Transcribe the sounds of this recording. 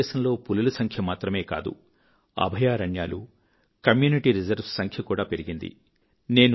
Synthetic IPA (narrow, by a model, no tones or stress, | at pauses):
ɛːʃɐnlo̞ːpululusɐŋkʰjɐmaːt̪ɾɐme̞ːka̰ːd̪ṵ | ɐ̰bʱɐjaːɾɐɳja̰ːlu | kɐmjuːniʈiɾid͡ʒɐɾbsɐŋkʰjɐkuːɽaːpe̞ɾiɡind̪ḭ | ne̞ːnu